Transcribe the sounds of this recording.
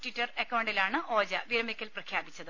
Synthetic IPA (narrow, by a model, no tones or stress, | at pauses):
ʈitːɐrekːɐwɳɖilaːɳɨʔo̞ːd͡ʑɐʋiɾɐmikʲːɐlprɐkʰjaːbit͡ɕːɐðɨ